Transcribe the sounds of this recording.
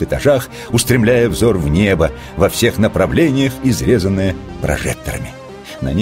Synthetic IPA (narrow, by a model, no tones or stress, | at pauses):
ɨt̪ɐʐax | ʊst̪ɾʲɪmlʲæjəvzorvnʲebə | vɐfsʲe̞xnəpɾɐvlʲenʲɪjəxizɾʲezənːɨjəpɾɐ̰ʐɛ̰k̚t̪əɾə̰mʲɪ | nɐ̰nʲ